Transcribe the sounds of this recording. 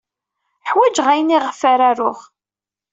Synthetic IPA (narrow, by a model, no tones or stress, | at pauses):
ħwæd͡ʒʁæjniʁəfaɾaɾʊʁ